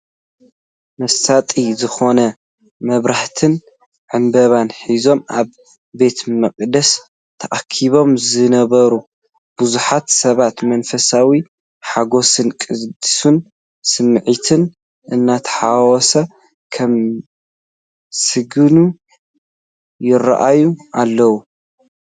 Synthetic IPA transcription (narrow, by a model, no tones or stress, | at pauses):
mɐsat̪ʼizɨxo̞nɐ | mɐβɾaħt̪ʰɨn | ʕɨmbɐβanħizo̞mʔaβː | e̞t̪mɐqʼd̪ɐs | t̪ʰɐʔakʰːiβo̞mzɨnɐβɐɾu | b̥uzuħat̪sɐβat̪mɐnfɐsawi | ħaɡo̞sɨnkʼɨd̪ɨsun | sɨmːʕit̪ʰɨn | ʔɨnːat̪ʰɐ̥ħawɔsɐ | kʰɐm | sɨɡɨnu | jɪra̰ʔajuʔalːɐwu